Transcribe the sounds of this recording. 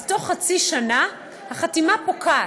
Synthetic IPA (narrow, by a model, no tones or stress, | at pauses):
to̞χːat͡siʃana | haχatimapokʰa